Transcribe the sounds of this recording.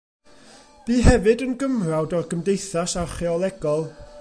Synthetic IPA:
b̥iːɦɛvɨdənɡəmrawdɔrɡəmdejθasaχɛɔlˠɛɡɔlˠ

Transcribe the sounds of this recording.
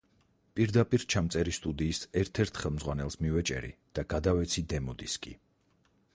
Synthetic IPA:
pʼiɾd̪apʼiɾt͡ʃʰamt̪sʼɛɾist̪ʼud̪iːsɛɾt̪ʰɛɾt̪ʰχɛlˠmd̪zʁwanɛlˠsmivɛt͡ʃʼɛ̰ɾḭd̪̥aɡad̪avɛt̪sʰid̪ɛmɔd̪iskʼḭ

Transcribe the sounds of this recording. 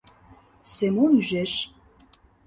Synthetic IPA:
semonyʒeʃ

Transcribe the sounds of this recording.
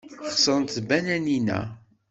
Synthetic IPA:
χsˤənt̪ːbænæninæ̰

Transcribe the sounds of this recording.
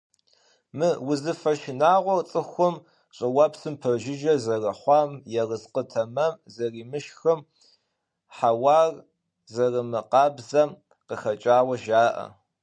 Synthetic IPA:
mɨwʊzɨfɐʃɪnaːʁʷɔrt͡sʼɨxʷʊm | ɕʼɐwɐpsɨmpʰɐrʒɪʒɐzɐrɐχʷɑːmjɛrəzqətʰɐmɐmzɐriːmɨʃxɐm | ħawɑːr | zɐrɨmɨqɑːbzɐm | qəxɐt͡ʃʼaːwɐʒaːʔɐ̰

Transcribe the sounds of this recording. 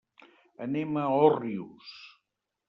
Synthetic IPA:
əneməɔrius

